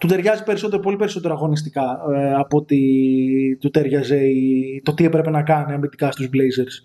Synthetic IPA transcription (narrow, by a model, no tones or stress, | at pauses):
t̪ut̪e̞ɾʝɐzipe̞ɾiso̞t̪eɾopo̞lipe̞ɾiso̞t̪e̞ɾoɐɣo̞nist̪ikɐɐpo̞t̪i | t̪ut̪e̞ɾʝɐze̞it̪o̞t̪iepɾe̞pe̞nɐkɐniɐmbit̪ikɐst̪uzblejze̞ɾs